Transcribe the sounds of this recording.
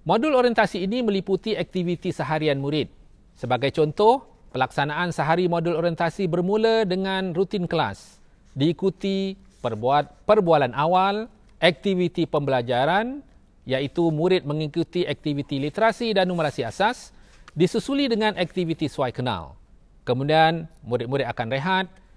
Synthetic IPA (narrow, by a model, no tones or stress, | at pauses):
moduloɾiɛnt̪asiːnimə̃liput̪iɛk̚t̪ivit̪isəɦaɾianmuɾɪt̪̚ | səbaɡajt͡ʃɔnt̪ɔh | pəlaksanãansəɦaɾimoduloɾijənt̪asibərmũlədəŋãnrut̪ɪnkəla̰s | diːkut̪i | əpərbualanʔawal | ʔɛk̚t̪ivit̪ipəmbəlad͡ʒaɾan | jait̪umuɾɪt̪̚mə̃ŋikut̪iʔɛk̚t̪ivit̪ilit̪əɾasidanuməlasiasasdisusulidəŋãnʔɛk̚t̪ivit̪iswajkəna̰l | kəmudianmuɾɪt̪̚muɾɪt̪̚akanrəɦat̪̚